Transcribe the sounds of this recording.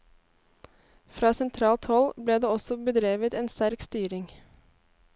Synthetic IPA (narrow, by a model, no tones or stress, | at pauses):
fɾɑːsɛnt̪ʰɾɑːlt̪hɔlbleːd̪eːɔsɔbəd̪ɾeːʋət̪eːnst̪æɾkst̪yːɾɪŋ